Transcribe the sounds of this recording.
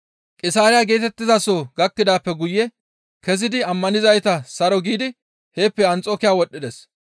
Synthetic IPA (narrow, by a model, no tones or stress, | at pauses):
kʼɪsaːɾɪjaɡe̞ːt̪ɛt̪ːɪzɐsoɡɐkːɪd̪aːpːɛɡʊjːɛ | kɛzɪd̪ɪɐmːɐnɪzɐjt̪ɐsɐɾɔɡiːd̪ɪ | he̞ːpːɛɐnt͡sʼoːkɪjaːwɔɗːɪd̪ɛs